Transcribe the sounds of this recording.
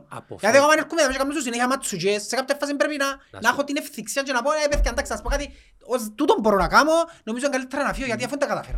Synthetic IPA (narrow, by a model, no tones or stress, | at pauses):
jat̪iakamaneɾkumɛðamɛt͡ʃkamnos̬us̬ineçamat͡sːud͡ʒesːekap̚t̪ɛfːas̬imbɛɾpinanaχɔt̪inɛfθiksjand͡ʒɛnapɔnɛpɛθkand̪aksaspɔkat̪i | ozt̪ut̪ɔmbɔɾɔnakamonomiz̬eŋɡalit̪ʰːaɾanafiɔjat̪̬iafunt̪akat̪afḛɾ